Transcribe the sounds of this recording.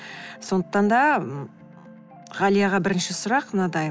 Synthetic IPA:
so̞nd̪əq̚t̪ɑnd̪ɑ | ʁɑlˠijɑʁɑbɪɾɪnʃɪsʊɾɑqmnɑd̪ɑj

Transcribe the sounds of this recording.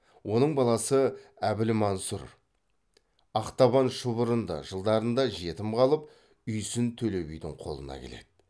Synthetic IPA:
wʔo̞nəɴbɑlˠɑsəæbɪlɪmɑnsuɾ | ɑqt̪ɑβɑnʃəβʊɾənd̪ɑ̰ʒəlˠd̪ɑɾənd̪ɑʒe̞t̪ɪmqɑlˠəp̚ | ʏjsɪnt̪ʰɵle̞bijd̪ɪŋqʰo̞̰lˠə̰nɑ̰kʲʰe̞̰le̞̰d̪̥ɪ

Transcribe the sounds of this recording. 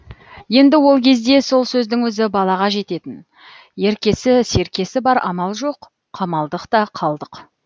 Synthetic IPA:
je̞nd̪ɪwo̞lˠkʲʰe̞zd̪e̞so̞lˠsɵzd̪ɪŋwɵzɪbɑlˠɑʁɑʒe̞t̪e̞t̪ɪn | je̞ɾkʲe̞sɪse̞ɾkʲe̞sɪbɑɾɑ̰mɑlˠʒo̞qʰː | ɑmɑlˠd̪əqt̪ɑqʰɑlˠd̪əq

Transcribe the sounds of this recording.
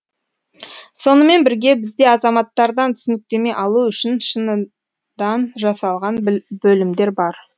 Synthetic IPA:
so̞nəme̞nbɪɾɡʲe̞bɪzd̪e̞ɑzɑmɑt̪ːɑɾd̪ɑnt̪ʰʏ̥sɪnɪk̚t̪e̞me̞jʔɑlˠuʏʃɪnʃənə | d̪ɑnʒɑsɑlˠʁɑnbɵlɪmd̪e̞ɾbɑɾ

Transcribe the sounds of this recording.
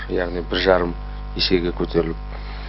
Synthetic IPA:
jaʁnijbɪɾʒɑɾəm | eʃe̞ɡʲekʲʰɵt̪ʰe̞ɾɪlɪp̚

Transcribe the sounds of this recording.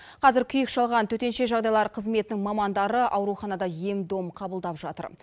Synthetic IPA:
qʰɑzɪɾkʲʰʏjɪkʃɑlˠʁɑnt̪ʰɵt̪e̞nʃe̞ʒɑʁd̪ɑjlˠɑɾqʰəzme̞t̪ɪnɪŋmɑmɑnd̪ɑɾəʔɑwɾuχɑnɑd̪ɑje̞md̪o̞mqʰɑbəlˠd̪ɑpʒɑt̪ə̰ɾ

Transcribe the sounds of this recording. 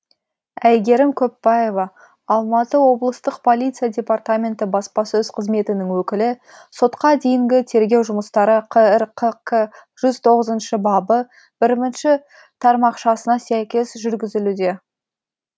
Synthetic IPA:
æjɡʲe̞ɾɪmkʲʰɵpːɑje̞vɑː | lˠmɑt̪əwo̞blˠəst̪əqpʰo̞lʲijt̪sijadʲe̞part̪amʲe̞nt̪ɪbɑspɑsɵz̥qʰəzme̞t̪ɪnɪŋwɵkʲɪlɪ | so̞t̪qɑd̪ejɪŋɡʲɪt̪ʰe̞ɾɡʲe̞wʒʊməst̪ɑɾəqʰəɪɾqʰəqəʒ̥ʏzt̪ʰo̞ʁəzənʃəbɑbə | b̥ɪɾmɪnʃɪ | t̪ʰɑɾmɑqʃɑsənɑsæjkʲe̞sʒʏɾɡʲɪzɪlud̪e̞

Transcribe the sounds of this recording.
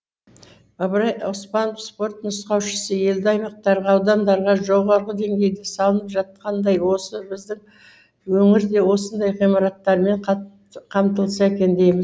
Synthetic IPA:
ɑbɾɑjʊspɑnofspo̞rt̪nʊsqɑwʃə̥səje̞ld̪ɪɑjmɑq̚t̪ɑɾʁɑːwd̪ɑmd̪ɑɾʁɑʒo̞ʁɑɾʁəd̪e̞ŋɡʲe̞jd̪esɑlˠənəpʒɑt̪̚qɑnd̪ɑjwo̞səbɪzd̪ɪŋ | wɵŋɪɾd̪e̞wo̞sənd̪ɑjʁijmɑɾɑt̪ːɑɾme̞ɴ | qʰɑmt̪əlˠəsɑekʲe̞nd̪e̞jmɪz

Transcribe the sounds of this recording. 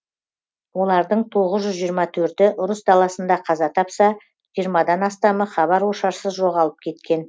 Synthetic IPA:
wo̞lˠɑɾd̪əɴt̪ʰo̞ʁəzʒʏzʒijəɾmɑt̪ʰɵɾt̪ɪʔʊɾəsd̪ɑlˠɑsənd̪ɑqʰɑzɑt̪ʰɑpsɑ | ʒ̥ijəɾmɑd̪ɑnɑst̪ɑməχɑβɑɾwoʃɑɾsəzʒo̞ʁɑlˠəp̚kʲʰe̞t̪kʲe̞n

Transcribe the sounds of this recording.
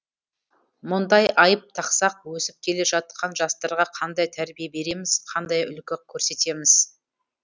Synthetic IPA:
mʊnd̪ɑjʔɑjəp̚t̪ʰɑqsɑq̚wɵsɪp̚kʲʰe̞le̞ʒɑt̪̚qʰɑnʒɑst̪ɑɾʁɑqʰɑnd̪ɑjt̪ʰæɾbijebe̞ɾe̞mɪz̥qʰɑnd̪ɑjʏ̰lkʲɪkʲʰːɵɾse̞t̪e̞mɪz̥

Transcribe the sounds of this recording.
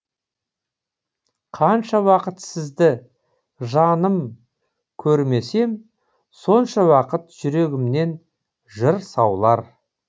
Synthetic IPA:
qʰɑnʃɑwɑqət̪sɪzd̪ɪ | ʒɑnəm | kʲʰɵɾme̞se̞m | so̞nʃɑwɑqət̪ʒʏɾe̞ɡʲɪmne̞n | ʒəɾsɑwlˠɑɾ

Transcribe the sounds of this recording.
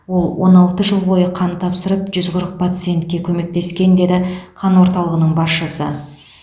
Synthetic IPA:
wo̞lˠwo̞̰nɑlˠt̪əʒəlˠbo̞jəqʰɑnt̪ʰɑpsəɾəpʒʏzqʰʊɾəq̚pʰat̪sɨje̞nt̪kʲe̞kʲʰɵme̞k̚t̪e̞skʲe̞nd̪e̞d̪ɪqʰɑnwo̞ɾt̪ɑlˠəʁənəɴbɑsʃəsə̰

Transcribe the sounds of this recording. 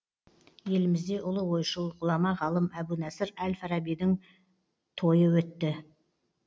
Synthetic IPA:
je̞lɪmɪzd̪e̞ʔʊlˠəwo̞jʃəlˠʁʊlˠɑmɑʁɑlˠəmæbunæsɪɾælfɑɾɑbid̪ɪŋ | t̪ʰo̞jəwɵt̪ːɪ

